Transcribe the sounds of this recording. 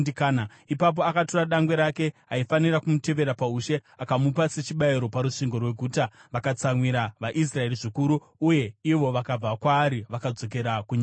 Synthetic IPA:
ikaːna | ipap̬o̞akatoraɗaŋɡwe̞ɾake̞ɦaifanirakumute̞ʋe̞ɾapauʃe̞akamupase̞t͡ʃiɓaiɾo̞paɾuʂiŋɡorwe̞ɡʱuːtaʋakat͡samwiɾaʋaʔis̬rae̞riʐikuɾu | uje̞iʋo̞ʋakab͡vakwaːɾiʋakad͡zo̞k̬e̞ɾakuɲa

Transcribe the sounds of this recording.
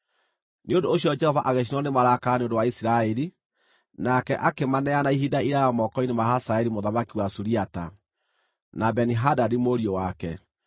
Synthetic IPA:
neondoːɕiɔd͡ʒɛhɔvaʔaɣeʃ̬inwɔnemaɾakaneondowaisiɾaɛɾi | nakɛʔakemanɛanaiɦidaiɾajɔmɔkɔinemahasaɛɾimoðamakiwasuɾiata̰ | nabɛniɦadadimoɾiowakɛ

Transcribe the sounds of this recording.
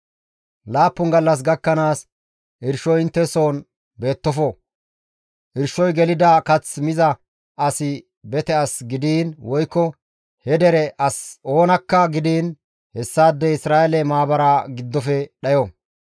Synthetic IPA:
laːpːʊnɡɐlːɐs̬ɡɐkːɐnaːs | ʔɪɾʃɔjɪnt̪ːɛso̞ːn | be̞ːt̪ːɔfɔ | ʔɪɾʃɔjɡɛlɪd̪akɐt͡smɪzɐ | ɐsɪ | bɛt̪ɛɐsɡɪd̪iːnwɔjkːɔ | hɛd̪ɛɾɛʔɐso̞ːnɐkːɐɡɪd̪iːn | hɛsːaːd̪ːɛɪsɾaːɛlɛmaːbɐɾaːɡɪd̪ːɔfɛɗɐjɔ

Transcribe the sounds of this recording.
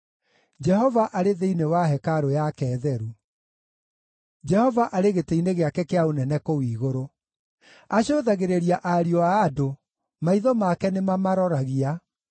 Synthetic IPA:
d͡ʒɛɦɔvaʔaɾeðeinewaɦɛkaɾojakɛːðɛɾu | d͡ʒɛhɔvaʔaɾeɣeteineɣeakɛkeaonɛnɛkowiːɣoɾo | aɕoːðaɣeɾeɾiaʔaɾiɔaːdo | maiðɔmakɛnemamaɾɔɾaɣia

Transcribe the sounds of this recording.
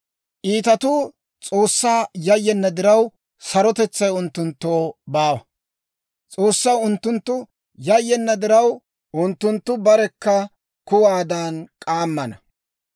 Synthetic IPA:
ʔiːt̪ɐt̪ʊ | t͡sʼo̞ːsːaːjɐjːɛnːɐd̪ɪɾɐw | sɐɾɔt̪ɛt͡sːɐjʊnt̪ːʊnt̪ːo̞ːbaːwɐ | t͡sʼoːsːɐwʊnt̪ːʊnt̪ːʊ | jɐjːɛnːɐd̪ɪɾɐw | ʔʊnt̪ːʊnt̪ːʊbɐɾɛkːɐ | kʊwaːd̪aːnkʼaːmːɐnɐ

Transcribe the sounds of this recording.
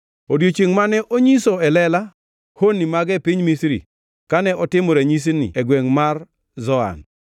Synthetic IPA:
odjot͡ʃiŋmanɛʔoɲisoɛlɛla | honimaɡɛpɪɲmisɾḭ | kanɛʔɔtɪmoɾeɲis̬inḭɛɡweŋmar | zɔa̰n

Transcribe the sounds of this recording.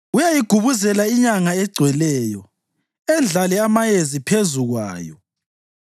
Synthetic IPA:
ujajiɡ̥ʱuβuzɛlaiɲaŋaɛɡ͡ǀʱwɛlɛːjɔ | ɛnd͡ɮʱalɛamajezipʰezuɣwa̰ːjɔ̰

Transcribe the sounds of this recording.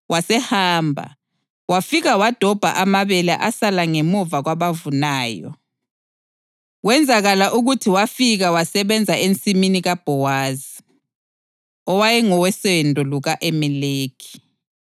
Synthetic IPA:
wʔasɛhaːmbʱa̰ | wafiɣawad̥ʱɔb̥ʱa̰ʔamaβɛla̰ʔasalaŋemuvaɣwaβavunaːjɔ̰ | wɛnd͡zʱaɣalaʔuɣutʰiwafiɣawasɛβɛnd͡zʱaent͡sʼiminiɣab̥ʱɔwaːzi | ɔwajɛŋɔwɛsɛndʱɔluɣaʔemɛleːkʰi̥

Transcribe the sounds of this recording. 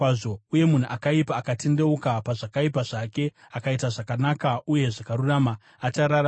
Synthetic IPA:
aʐo̞uje̞mun̤uʔakaipaːkatʰe̞nde̞ukapaʐakaipaʐake̞ | akaitaʐakanakauje̞ʐakaɾuramaː | t͡ʃaɾaɾa

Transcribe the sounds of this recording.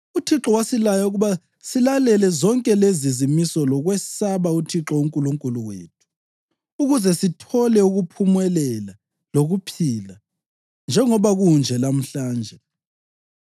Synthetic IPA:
utʰiǁɔwasilajauɣuβa | silalɛlɛzɔŋkʼɛlezizimisɔlɔɣwɛsaβautʰiǁɔuŋkʼuluŋkʼuluwḛːtʰu̥ | uɣuzɛsitʰɔlɛuɣupʰumwɛlɛla | loɣupʰila | nd͡ʒʱɛŋɔβaɣund͡ʒʱɛlam̩ɬaːnd͡ʒʱɛ

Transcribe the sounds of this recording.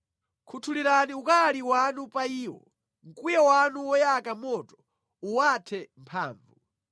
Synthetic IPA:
kʰutʰuliɾaniukaliwanupaiːwɔ̰ | ŋ̩kʼujɛwanuwɔjakamɔtɔ̥ | uwatʰɛmpʰa̰ːɱvu

